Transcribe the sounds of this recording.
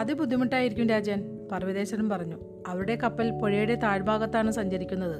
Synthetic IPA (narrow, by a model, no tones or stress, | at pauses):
ɐðɨbud̪ʱːimiʈːaːjiɾikʲːumɾaːd͡ʑjɐːn | pɐrʋɐðe̞ːɕɐnumpɐrɐɲːu | ɐʋɐɾuɽe̞kɐpːɐlpo̞ɻijuɽe̞t̪aːɻbʱaːɣɐt̪ːaːɳɨsɐɲd͡ʑɐɾikʲːunːɐðɨ